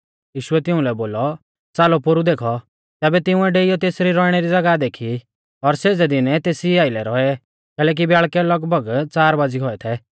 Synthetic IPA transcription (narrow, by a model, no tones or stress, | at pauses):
jiːʃʊɛt̪ɪʊ̃lɛboːlɔ | t͡saːlɔpoɾud̪eːkʰɔ | t̪ɛːbɛt̪ɪʊ̃ɛɖeːijɔt̪eːsɾiɾɔɪɽ̃ɛɾid͡zɐɡad̪eːkʰi | ɔɾseːd͡zɛd̪ɪnɛt̪eːsiaːɪlɛɾɔɛ | kɛːlɛːk̬ibjaːɭkɛlɐɡbʱəɡt͡saːɾbaːd͡ziɦɔɛt̪ʰɛ